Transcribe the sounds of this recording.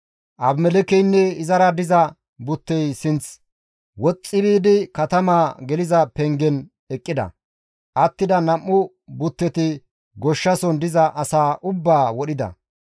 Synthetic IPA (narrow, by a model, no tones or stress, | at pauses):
ʔɐbmɛlɛkɛjnːɛɪzɐɾɐd̪ɪzɐ | bʊt̪ːɛjsɪnt͡s | wɔt͡sʼːɪbiːd̪ɪkɐt̪ɐmaːɡɛlɪzɐpɛŋɡɛn | ɛkʼːɪd̪ɐ̰ | ʔɐt̪ːɪd̪ɐnɐmːʊ | bʊt̪ːɛt̪ɪ | ɡɔʃːɐsɔnd̪ɪzɐʔɐsaːʔʊbːaːwɔɗɪd̪ɐ̰